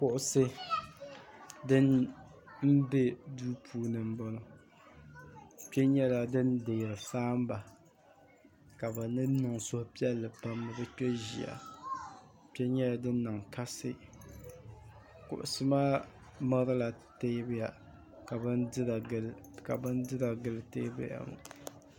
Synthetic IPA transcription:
pʊ˦ʔʊ˦sɨ˦ | dɨ˦n | n̩˦be˦duː˦pʰuː˦nɨ˨m̩˦bɔ˦lʊ˦ | pɛ˦ɲɛ˦la˨dɨ˦nde˨ɾɨ˨saː˦m˦ba˨ | ka˨bɛ˨nɨ˦nɨ˨ŋsʊ˦pi˦ɛ˦lːɨ˨pa˦mːɨ˦bɛ˦k͡pɛ˦ʒḭ˨a̰˨ | pɛ˦ɲɛ˦la˨dɨ˦nː˦ɨ˨ŋka˦sɨ̰˦ | kʊ̰˨ʔʊ˨sɨ˦maː˦ | ma˦ɾɨ˦la˨ | te˦bja˨ | ka˨bɨ˦n˦˨˦l | ka˨bɨ˦n˦dɨ˦ɾa˨ɡɨ˦lɨ˦te˦bɨ̰˦ja̰˨mʊ̰˨

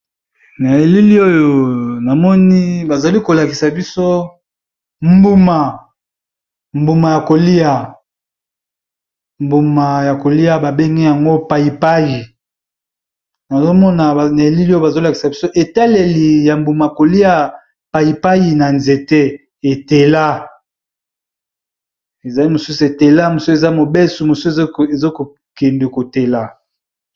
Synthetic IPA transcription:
na˨e˨li˦li˦o˦jo˨na˨mɔ˦ni˦ba˨za˨li˦ko˨la˨ki˨sa˨bi˦so˦ | mbu˨ma˨ | mbu˨ma˨ja˨ko˨li˦a˨ | mbu˨ma˨ja˨ko˨li˦a˦ba˨be˦ŋɡɛ˦ja˨ŋɡo˦pa˨i˨pa˦ji˨ | na˨zo˦mɔ˦na˨na˨e˨li˦lo˦ba˨zo˦la˨ki˨sa˨bi˦so˦ʔe˨ta˦le˨li˨ja˨mbu˨ma˨ko˨li˦a˨ | pa˨ji˨pa˦ji˨na˨nze˨te˦ | e˨te˨la˦ | e˨za˨li˦mo˨su˦su˨e˨te˨la˦mo˨so˦e˨za˦mo˨be˦su˨mo˨se˨zo˦ko˨ | ke˨nde˨ko˨te˨la˨

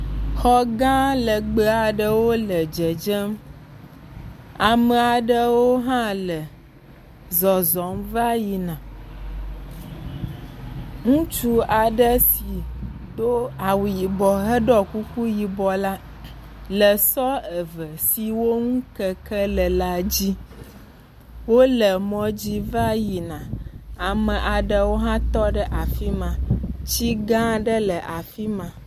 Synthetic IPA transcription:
xɔ˦ɡã˦lə˨ɡ͡bə˦a˨ɖə˦wo˦lə˨d͡ʒə˨d͡ʒə˦m | a˨mə˨a˨ɖə˦wo˦ɦã˦lə˨ | zɔ˨zɔ˨˦mva˦ji˨nã˨ | ŋũ˦t͡ʃu˦a˨ɖə˦si˨ | d̪o˦a˨wu˨ji˨bɔ˨ɦə˦ɖɔ˦ku˦ku˦ji˨bɔ˨la˦ | lə˨sɔ˦ə˨və˨si˨wo˦ŋũ˦kə˦kə˦lə˨la˨d͡ʑi˦ | wo˦lə˨mɔ̃˨d͡ʑi˦va˦ji˨nã˨a˨mə̃˨ʔa˨ɖə˨wo˦ɦã˦t̪ɔ˦ɖə˦ʔa˨fi˦mã˨t͡ɕi˦ɡã˦ɖə˦lə˨ʔa˨fi˦mã˨

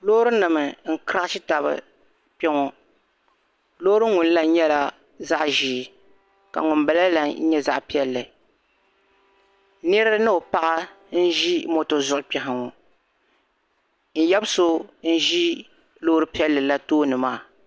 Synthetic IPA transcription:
loː˦ɾɨ˦nɨ˨mɨ˨n̩˦kɾa˦ʃi˦ta˨bɨ̰˨ | pɛ˦ŋɔ˨ | lo˦ɾɨ˦ŋʊ˨n˦la˦ɲɛ˦la˦ | za˦ʔʒi˨ | ka̰˨ŋʊ˨mba˨la˦la˦ɲɛ˦za˦ʔpi˦ɛ˦lːɨ˨ | nɛ˦ɾɨ˦nɨ˦o˨pa˦ʔa˦ | n̩˦ʒi˦mo˨to˨zʊ˦˨ʔʊ˦pɛ˨ɦa˨ŋo˨ | n̩˦jɛ˦bso˦n̩˦ʒi˦ | loː˦hɾɨ˦pi˦ɛ˦lːɨ˨la˦toː˦nɨ˨maː˦˨

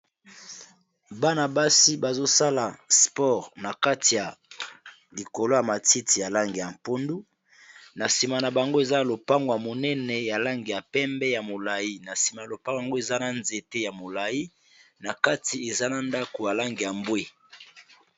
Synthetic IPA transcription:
ba˦na˨ba˦si˦ba˨zo˦sa˦la˨spɔ˦˨ʁna˨ka˦ti˨ja˨ | li˨ko˨lo˦ja˨ma˨ti˦ti˨ja˨la˦ŋɡe˨ja˨m˨po˦ndu˦ | na˨si˨ma˨na˨ba˨ŋɡo˦e˨za˦˨lo˨pa˦ŋɡo˨ja˨mo˨nɛ˦nɛ˨ja˨la˦ŋɡja˨pɛ˦mbɛ˦ja˨mo˨la˨ji˦na˨si˨ma˨a˨lo˨pa˦ŋɡa˨ŋɡo˦e˨za˦na˨nze˨te˦ja˨mo˨la˨ji˦ | na˨ka˦ti˨e˨za˦na˨nda˦ko˨ja˨la˦ŋɡe˨ja˨mbwe˦

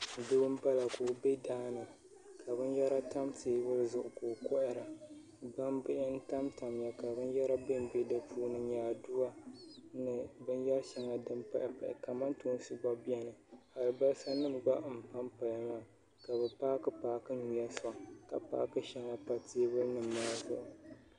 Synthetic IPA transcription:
dɨ˦bm˦ba˦la˨koː˨be˦daː˦nɨ˨ | kʰa˨bɨ˦njɛ˦ɾa˦ta˦mteː˨˦wʊ˦lzʊ˨ʔʊ˨koː˨kɔ˦ʔɪ˨ɾa˨ | ba˦mbɨ˦ʔɪ˦n̩˦ta˦mta˨mja˨ka˨bɨ˦njɛ˦ɾa˦bɨ˦m˦be˦dɨ˨pʰuː˦nɨ˨ɲaː˨du˦a˦nɨ˨bɨ˦njɛ˦ɾʃɛ˦ŋa˨dɨ˦mpa̰˦ʔɪ˨pa˨ʔɪ˨ka˨ma˦ntuː˦n˦sɨ˦ba˦bi˦ɛ˦nɨ˨ha˨lɨ˨ba˦lsa˦nɨ˦mba˦m̩˨pa˦mpa˨ja˦ma˨ | ka˨bɛ˨paː˦kɨ˦paː˨kɨ˦ɲu˨ja˦sa˨˦ka˨pa̰ː˨˦kɨ˦ʃɛ˦ŋa˦pa˨teː˦bʊ˦lnɨ˨mːa˦a˦zʊ̰˨ʔʊ˨

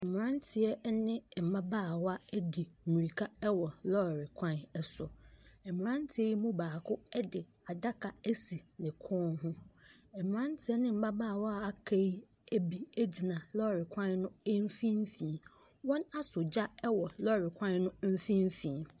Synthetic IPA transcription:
m̩˨m˨ɾã˦n˦tʰɪ˨ɛ˦nɪ̃˦˨m̩˨ba˦baː˦˨wɔ˦a˦ɛ˦di˨mi˨ɾi˨kʰa˦ɛ˦wɔ˨lɔ˦˨ɾɪ˨kʷʰã˦nɛ˨sʊ˨ɛ˨mɪ̃˨ɾã˦n˦tʰɪ˨˦ɛ˦ji˦mũ˦baː˨kʰʊ˦ɛ˦dɪ˨ | a˨da˦kʰa˨æ˦si˨nɪ̃˨kʰɔː˦nɦʊ̃˦ | ɛ˨m̃˨ɾã˦n˦tʰɪ˦ɛ˦nɪ̃˦m̩˨ba˦baː˦˨wɔ˦a˨a˨kʰa˦i˦ | æ˦bi˦e˦d͡ʑi˨nã˨lɔ˦˨ɾɪ˨kʰʷã˦n˦nʊ̃˦ɛ˦m̩˦fĩ˦m˦fĩː˨ | wɔ̃˦na˦sʊ˨d͡ʑa˦ɛ˦wɔ˨lɔ˦˨ɾɪ˨kʷʰã˦n˦nʊ̃˦m̩˦fĩ˦m˦fĩː˨

